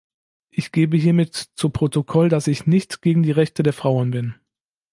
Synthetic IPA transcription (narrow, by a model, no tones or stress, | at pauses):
ʔɪçɡ̥eːbəɦiːɐmɪtt͡supʁ̥otokʰɔldasɪçnɪçtɡ̥eːɡŋ̩diːʁɛçtədeːɐfʁ̥aʊənbɪn